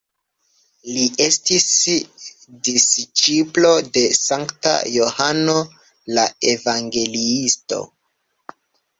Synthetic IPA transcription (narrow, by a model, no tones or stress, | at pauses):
lie̞stis | dist͡ʃiplo̞de̞saŋkta̰jo̞hano̞ | lae̞vaŋɡe̞liisto̞̰